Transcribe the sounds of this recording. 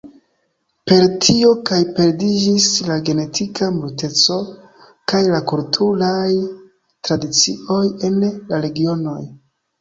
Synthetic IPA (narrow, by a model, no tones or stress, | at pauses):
pe̞ɾtʰio̞kajpe̞ɾdid͡ʒislaɡe̞ne̞tʰikamulte̞t͡so̞ | kajlakultʰuɾaj | tɾadit͡sḭo̞je̞nlaɾe̞ɡio̞no̞j